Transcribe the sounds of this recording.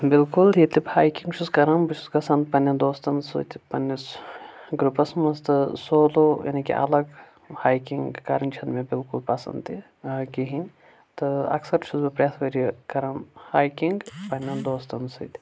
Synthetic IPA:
bilkuld̪it̪ʲibhaːjkiŋɡt͡ʃʰuzkɐɾɐmbɨt͡ʃʰuzɡɐsɐnd̪̚pɐnʲːɐnd̪oːst̪ɐnd̪sṵt̪ʲʰpɐnʲːɐsɡɾupɐsmɐst̪ɨsoːlojɐ̰nikʲḭʔɐ̰lɐɡ | haːjkiŋɡkaɾɐnʲt͡ʃʰɐnmebilkulpɐsɐ̰nd̪i | kiɦinʲ | t̪ɨɐ̰ksɐɾt͡ʃʰuzbɨpɾɐjaːsʋɐɾikɐɾɐmhaːjkiŋɡpɐnʲːɐnd̪oːst̪ɐnsɨ̰t̪ʲ

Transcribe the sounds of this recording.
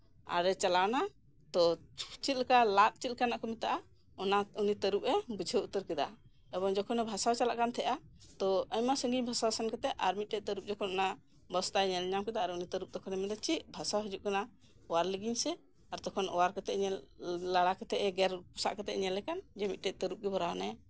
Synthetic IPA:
a̰ɾɛt͡ʃalana | t̪ɔt͡ʃit̪̚lkalat̪̚t͡ʃit̪̚kanaʔkɔmit̪aʔa | ɔnaunit̪əɾup̚ɛbud͡ʒʱəut̪əɾkɛd̪a̰ | ɛbɔŋd͡ʒɔkʰɔnɛbʱasawt͡ʃala̰ʔkant̪ʰɛʔat̪ɔəɲmasəŋɡiɲbʱasawsɛnkɛt̪ɛʔaɾmit̪̚ʈɛt̪əɾup̚d͡ʒɔkʰɔnɔna | bɔst̪ajɲɛlɲamkɛd̪aʔaɾɛunit̪əɾup̚t̪ɔkʰɔnɛmɛd̪ɔt͡ʃiʔ̪̚bʱasawɦɔd͡ʒuʔ̚kana | ɔwaɾləɡiɲsɛ | aɾt̪ɔkʰɔnɔ̰waɾkɛt̪ɛʔɲɛlaɽakɛt̪ɛʔɛɡɛɾpu̥sa̰ʔkɛt̪ɛ̰ʔɲɛlɛkand͡ʒɛmit̪̚ˀʈɛc̚t̪əɾup̚ɡɛbɔɾawna

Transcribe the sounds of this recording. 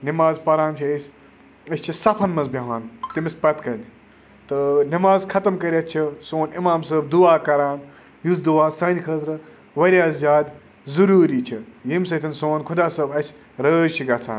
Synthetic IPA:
nimaːzpɐɾaːnt͡ʃʰiɐsʲ | ɐsʲt͡ʃʰisɐpʰɐnmɐzbʲɐɦaːnt̪imispɐt̪kɐnʲ | t̪ɨnimaːzkʰɐt̪ɐmkɐɾʲɐt̪̚t͡ʃʰisoːnimaːmsəːb̚d̪uaːkɐɾaːn | jusd̪uʋaːsɐ̃ːd̪ʲkʰəːt̪ɾɨ | ʋɐɾʲjaːzʲjaːd̪ | zɐɾuːɾiːt͡ʃʰijimsɐt̪ʰinsoːnkʰʊd̪aːsɐbɐsʲ | ɾəːɾʲt͡ʃʰiɡɐt͡sʰa̰ːn

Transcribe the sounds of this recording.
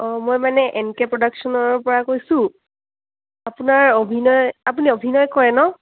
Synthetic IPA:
ɔmojmanɛʔɛnkɛpɹɔdaksɔnɔɹpɔɹakojsʊ̃ | apunaɹobʱinɔjap̬uniobʱinɔjkɔɹɛnɔ

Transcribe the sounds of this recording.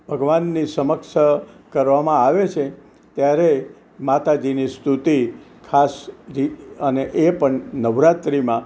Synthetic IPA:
bʱəɡʋanːisəməkʃəkəɾʋamãaʋet͡ʃʰe | t̪jaɾe | mat̪ad͡ʒinist̪ʰut̪ikʰasɾiəneʔepəɳnəʋɾat̪ɾimã

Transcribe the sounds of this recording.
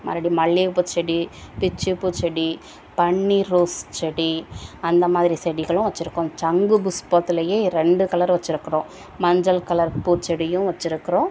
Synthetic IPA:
mɐ̰ːɾɐɽimɐɭːiput͡ʃːɛɽipɪt͡ʃːɯpːut͡ʃːɛɽi | pɐɳːiɾuːst͡ʃɛɽiɐnd̪ɐmaːðɪɾisɛɽiɣɐɭʊ̃ʋɐt͡ʃːɪɾɯkːʊ̃t͡ʃɐŋɡɯbʊspoːt̪ːɪlɐjeːɾɛɳɖɯkɐlɐɾʋɐt͡ʃːɪɾɯkːɪɾõː | mɐɲd͡ʒɐlkɐlɐɾpuːt͡ʃɛɽɪjʊ̃ʋɐt͡ʃːɪɾɯkːɪɾõː

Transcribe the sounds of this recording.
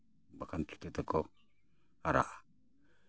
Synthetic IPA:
bakantu̥t̪et̪əko | aɾa̰ʔḁ

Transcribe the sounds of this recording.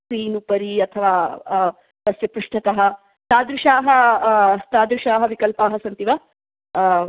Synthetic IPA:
kɾiːnupɐɾiɐt̪ʰɐʋaː | t̪ɐsjɐpɾuʂʈʰɐt̪ɐɦɐ | t̪aːd̪ɾuʃaːɦɐ | t̪aːd̪ɾuʃaːɦɐʋikɐlpaːɦɐsɐnt̪iʋɐ

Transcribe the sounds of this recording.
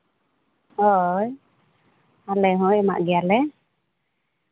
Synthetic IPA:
ɔj | alɛɦɔ̃jɛma̰ʔɡɛalɛ

